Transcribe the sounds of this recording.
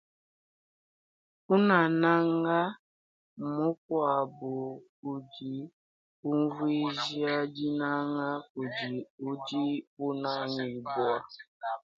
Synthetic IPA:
ʊ˦na˨na˦ŋa˦˨ | mʊ˦kʷɔ˦a˨bʊ˨ku˨d͡ʒi˨ | u˦vu˦i˦zi˦a˦d͡ʒi˦na˦ŋa˦ku˨d͡ʒi˨u˦d͡ʒi˦pʊ˦na˦ɲi˨bʊ˦a˦

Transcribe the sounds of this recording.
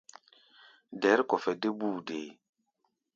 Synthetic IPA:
dɛ˨˦ɾkɔ˨fɛ˨de˦buː˦˨de˨

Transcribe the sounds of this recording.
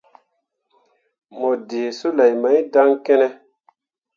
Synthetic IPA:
mɔ˨deː˨so˦la˨jma˨˦jda˦ŋkɛ˦nɛ˦

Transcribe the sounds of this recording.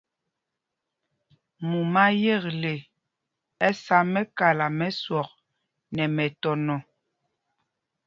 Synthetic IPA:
mu˨ma˦je˦˨kle˨ | ɛ˦sa˨˦mɛ˦ka˨la˨mɛ˦swɔ˨k̚ | nɛ˨mɛ˨tɔ˨nɔ˨

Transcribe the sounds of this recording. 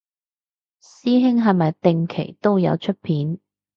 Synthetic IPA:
siː˥ɦɪ˥ŋɦɐ˨jmɐ˨jt̪ɪ˨ŋkʰḛ˨˩jt̪o˥wjɐ̰˨˧wt͡ʃʰɵ˥t̚pʰiː˨˥n

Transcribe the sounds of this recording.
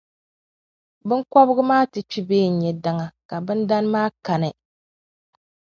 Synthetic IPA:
bɨ˦ŋkɔ˦bɨ˦ɡɨ˦maː˦tɨ˨t͡ʃi˦beː˦˨n̩˨ɲɛ˨da˦ŋa˨ka˨bɨ˦nda˦n˦maː˦ka˨nɨ˨

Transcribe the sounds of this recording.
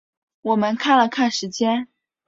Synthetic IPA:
wɔ˨˩mə˦nkʰa˥˩nlə˩kʰa˥˩nʂɻ̩˧˥t͡ɕjɛ˥n

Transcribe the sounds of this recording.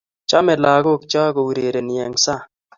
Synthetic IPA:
t͡ʃa˦mɛ˨la˨ɡo˦˨k̚t͡ʃɔ˦ɡɔ˨wu˨ɾe˨ɾe˨njɛ˨ŋsa˦˨

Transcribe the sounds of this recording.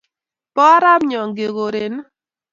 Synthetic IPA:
pɔ˦ɾa˦mɲɔ˨ŋɡe˨ɡo˨ɾe˨n˦

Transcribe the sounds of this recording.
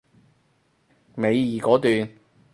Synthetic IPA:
me˨˧jiː˨˩kɔː˨˥t̪yː˨n

